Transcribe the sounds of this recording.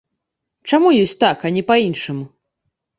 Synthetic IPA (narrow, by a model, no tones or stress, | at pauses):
t͡ʂamujɔsʲt͡sʲt̪akɐnʲɛpainʂɨmu